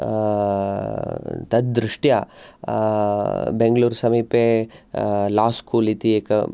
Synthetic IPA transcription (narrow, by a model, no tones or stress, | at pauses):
t̪ɐd̪̚d̪ɾuʂʈja | beŋɡluːɾsɐmiːpeː | laːskuːlit̪ieːkɐ̰